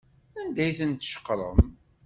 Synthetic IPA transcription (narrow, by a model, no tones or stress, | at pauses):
ænd̪æjθənt̪ʃə̥qːɾˤə̰m